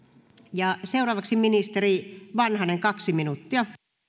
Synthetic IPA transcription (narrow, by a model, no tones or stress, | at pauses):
jɑseuɾɑːʋɑksiminist̪eriʋɑnhɑneŋkɑksiminut̪ːiɑ